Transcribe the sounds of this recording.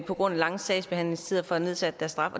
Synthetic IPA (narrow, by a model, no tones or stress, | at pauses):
pʰɒ̽ɡ̥ʁɔ̽n̰ælɑ̈ŋəsɛɪsb̥e̝hæn̰le̝ŋsʰiðˠɐfɒ̽æne̝ð̞ˠsæd̥əd̥æɐsd̥ʁɑ̈fɒ̽